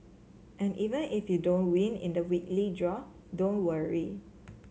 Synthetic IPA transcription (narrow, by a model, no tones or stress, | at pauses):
ʔɛ̃nʔivə̃nifjudõnwĩnḭ̃ndəwiklidɹɔ | dõnwəɹi